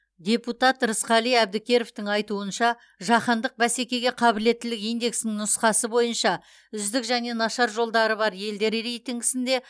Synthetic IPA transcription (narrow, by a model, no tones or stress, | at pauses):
d̪ʲe̞put̪ɑt̪ɾəsqɑlˠijæb̚d̪ɪkʲe̞ɾoft̪ɪŋɑjt̪uənʃɑ | ʒɑqɑnd̪əq̚bæse̞kʲe̞ɡʲe̞qʰɑbɪle̞t̪ːɪlɪkijnd̪e̞ksnɪŋnʊsqɑsəbo̞jənʃɑ | ʏzd̪ɪkʒæne̞nɑʃɑɾʒo̞lˠd̪ɑɾəbɑɾje̞ld̪e̞ɾɾejt̪iŋɡɪsɪnd̪e̞